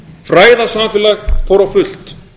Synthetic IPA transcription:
fɾaːjðasamfɪlaɣkʰɔwɾawfʏl̥t̪

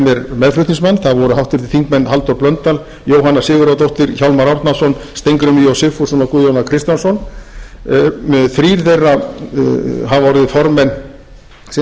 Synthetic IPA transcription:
mɛɾmɛðflɾʏht̪niŋsmanθaðvɔɾʏhawht̪ɪɾt̪ɪ̥θiŋkmɛnːhalt̪ɔɾplœnt̪al | joːwɦanːḁsɪːɣɪɾawt̪owht̪ɪɾçawlmaɾɔɾt̪nasɔnst̪ejŋkɾʏmijowsɪfɔsɔnakuðjawnakʰɾɪst̪jansɔn | mɛðθɾiːɾθejrːa | ɦavɔɾɪðɪfɔɾmɛnː

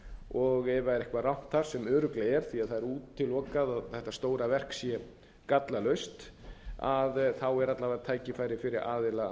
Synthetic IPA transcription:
ɔɣɛvaɛɾɛhkvaraw̥n̥t̪θaɾ̥sɛmœːɾʏklaɛɾ̥θiaðθaðɛɾuːt̪ʰːɪlːɔːkaðaðθɛht̪ːast̪oːwɾavɛr̥ksjɛ | kat̪lalœɥst̪aðθawɛɾat̪lavat̪ʰaːjcɪfaːjɾɪfɪɾɪɾʔaːðɪla

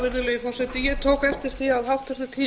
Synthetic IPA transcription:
vɪɾðʏleːjɪfɔrsɛt̪ɪjɛt̪ʰoːwkɛft̪ɪɾ̥θiaðɦawft̪ɛst̪at̪ʰiː

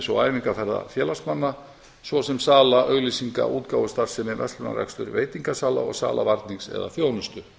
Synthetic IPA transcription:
sowaːjviŋkafɛɾða̰fjɛːlast̪manːa | svɔsɛmsaːlaʔœɣlisiŋka̰ʔuːt̪kaːwʏst̪ar̥sɛmɛvɛ̰st̪ʏna̰ɾɛ̰kst̪ʏɾveːjt̪iŋkasaːla̰ɔ̰ɣsa̰ːlavaɾt̪niŋksɛ̰ða̰θjoːwnʏst̪ʏ

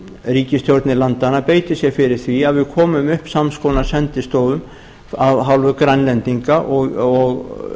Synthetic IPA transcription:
riːcɪst̪jowɾt̪nɪlant̪anːapeːjt̪ɪsjɛɣfɪɾɪɾ̥θviaðvɪðkʰɔːmʏmʏhpsamskownaɾsɛnt̪ɪst̪owðʏm | avɦawlvʏkɾanlɛnt̪iŋkaʔɔɣɔɣ

